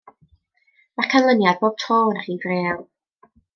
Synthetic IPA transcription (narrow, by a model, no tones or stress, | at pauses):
makʰanlˠənjad̚boːb̥̚tʰoːnaχiːɡreːlˠ